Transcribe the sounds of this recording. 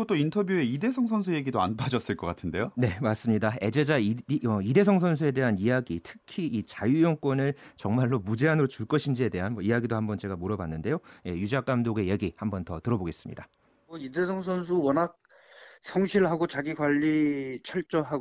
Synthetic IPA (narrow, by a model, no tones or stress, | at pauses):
ot͈ointʰʌbjue̞ide̞sʰʌŋsʰʌns̬ʰuje̞ɡidoanpad͡ʑʌs͈ɯɭk͈ʌk͈atʰɯnde̞jone̞mas͈ɯmɲidae̞d͡ʑe̞d͡ʑaiʌide̞s̬ʰʌŋsʰʌnsʰue̞de̞ɦanijaɡitʰɯ̥kʰiːt͡ɕajujʌŋk͈wʌnɯɭt͡ɕʌŋmaɭːomud͡ʑe̞anɯɾot͡ɕuɭk͈ʌɕʰind͡ʑie̞de̞ɦanmʌijaɡidohambʌnt͡ɕe̞ɡamoɾʌbanːɯnde̞joje̞jud͡ʑak͈amdoɡe̞je̞ɡihambʌntʌtɯɾʌboɡe̞s͈ɯmɲḭda | oidesʰʌŋsʰʌnsʰuwʌnak̚ | sʰʌŋɕʰiɭɦaɡot͡ɕaɡiɡwaʎːit͡ɕʰʌɭt͡ɕ͈ʌɦaɡ